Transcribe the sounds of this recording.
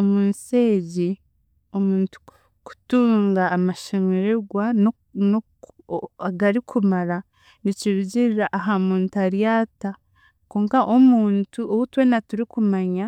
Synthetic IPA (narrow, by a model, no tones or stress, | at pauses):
omuːnseːɟi | o̞muːntu̥ | ku̥tuːŋɡaːmaʃemeɾeɡwa | no | aɡaɾikʰumaɾa | niciβuɟiɾiɾaʔːɦamuːntuaɾijaːta | koːŋkaʔomuːntuʔowutwenatuɾikumaɲa